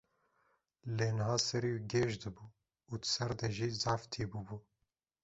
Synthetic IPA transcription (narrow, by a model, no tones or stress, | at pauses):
leːnɨɦɑːsɛɾiːɡeːʒd̪ɨbuː | uːd̪sɛɾd̪ɛʒiːzaːft̪ʰiːbuːbuː